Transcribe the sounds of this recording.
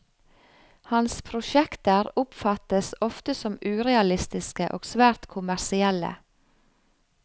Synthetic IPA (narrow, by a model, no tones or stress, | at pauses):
hɑnspʰɾʊʃɛkt̪əɾʊpfɑt̪əsɔft̪əsɔmʉːɾɛɑlɪst̪ɪskəʔoːɡsʋæːɾt̪kʰʊmæɾsɪɛlə̰